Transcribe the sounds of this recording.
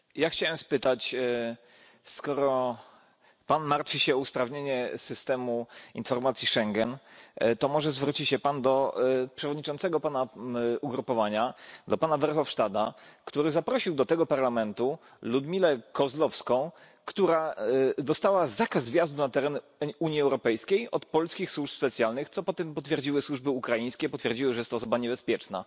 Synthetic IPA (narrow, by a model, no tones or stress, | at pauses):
jaxt͡ɕawɛmspɘt̪at͡ɕ | skɔɾɔɔ | panmaɾt̪fʲiɕɛuspɾavɲeɲɛsɘst̪ɛmuinfɔɾmat̪sʲjiʂɛŋɡɛnt̪ɔmɔʐɛzvɾut͡ɕiɕɛpand̪ɔpʂɛvɔd̪̚ɲit͡ʂɔnt̪sɛɡɔpanauɡɾupɔvaɲad̪ɔpanavɛɾxɔfʂt̪ad̪a̰kt̪uɾɘzapɾɔɕiwd̪ɔt̪ɛɡɔpaɾlamɛnt̪u | lud̪mʲilɛkɔzlɔfskɔ̃w̃ | kt̪uɾad̪ɔst̪awazakazvʲjazd̪unat̪ɛɾɛn | uɲjiɛwɾɔpɛjskʲejɔt̪pɔlskʲixswuʂspɛt̪sʲjalnɘxt̪sɔpɔt̪ɛmpɔt̪fʲjɛɾd͡ʑiwɘswuʐbɘukɾajĩj̃skʲɛpɔt̪fʲjɛɾd͡ʑiwɘʐɛjɛst̪ɔːsɔbaɲɛbɛspʲjɛt͡ʂna̰